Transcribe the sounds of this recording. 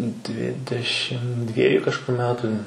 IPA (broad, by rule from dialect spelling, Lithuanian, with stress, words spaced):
ˈdʲʋʲɪdʲɛʃʲɪm ˈdʲʋʲiɛjʊ kɐʃˈkʊr ˈmʲæːtʊ